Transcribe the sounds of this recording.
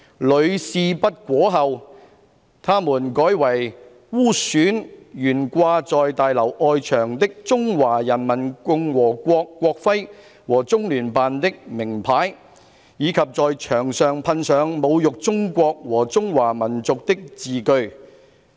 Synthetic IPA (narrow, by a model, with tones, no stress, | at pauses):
lɵ˨˧ɥsiː˨˧pɐ˥t̚kʷɔː˨˥ɦɐ˨w | t̪ʰaː˥muː˨˩nkɔː˨˥jwɐ˨˩j | wuː˥syː˨˥njyː˨˩nkʷaː˧t͡sɔː˨jt̪aː˨jlɐ˨˩wʔɔː˧jt͡ʃʰœː˨˩ŋt̪ɪ˥k̚t͡sʊ˥ŋwaː˨˩jɐ˨˩nmɐ˨˩nkʊ˧ŋwɔː˨˩kʷɔː˧kːʷɔː˧k̚fɐ˥j | wɔː˨˩t͡sʊ˥ŋlyː˨˩npaː˨nt̪ɪ˥k̚mɪ˨˩ŋpʰaː˨˥j | jiː˨˧kʰɐ˨p̚t͡sɔː˨jt͡ʃʰœː˨˩ŋsœː˨ŋpʰɐ˧nsœː˨˧ŋmo˨˧wjʊ˨k̚t͡sʊ˥ŋkʷɔː˧k̚wɔː˨˩t͡sʊ˥ŋwaː˨˩mɐ˨˩nt͡sʊ˨k̚t̪ɪ˥k̚t͡siː˨kɵ˧ɥ